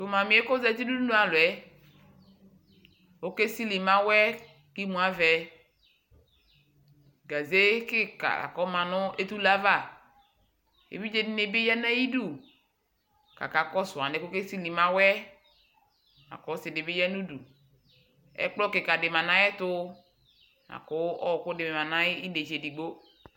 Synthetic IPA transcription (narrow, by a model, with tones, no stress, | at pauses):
t̪ʊ˨mã˨mĩ˨˦e˦ko˦zɛ˦ti˦du˦du˦nũ˦a˨lʊ˨ɛ˦ | wo˦ke˦si˦li˨mã˦wɛ˦ | ki˦mũ˨˦a˦vɛ˨ | ɡa˨ze˦kɪ˦ka̰˨a̰˨kɔ˦mã˨nʊ̃˦e˦t̪u˦la˦va˦˨ | ḛ˨vi˦d͡ʒe˦ne˨be˦jɛ˦nɛ˦ji˦du˦˨ | ka̰˨ka˨kɔ˦sʊ˨a˨nɪ˨kʊ˦ke˦si˦li˨ma˦wɛ˦ | na̰˨kɔ˨˦sɪ˨dɪ˨bɪ˦jɛ˦nu˦du˨ | ɛ̰˦k͡plɔ˦kɪ˨ka˨dɪ˨ma˨na˦ɛ˦tʊ˦ | ma̰˨kʊ˦ɔ˦˨kʊ˦dɪ˨me˨ma˨na˦i˦de˨d͡ʒe˨di˨ɡ͡bo˦